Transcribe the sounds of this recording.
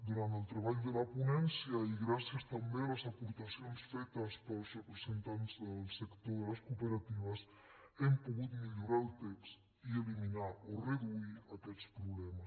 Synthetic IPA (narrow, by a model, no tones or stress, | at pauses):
d̪uɾant̪əlˠt̪ɾeβ̞aʎd̪əlapunɛnsiaiɣɾasiəst̪ambealəzapuɾt̪asionsfɛt̪əspəlˠsrəpɾezent̪anzðlˠsəkt̪oðələskupeɾat̪iβ̞əs | empuɣut̪miʎuɾalˠt̪eks | ieliminaoreðuiakɛt̪t͡spɾuβlɛma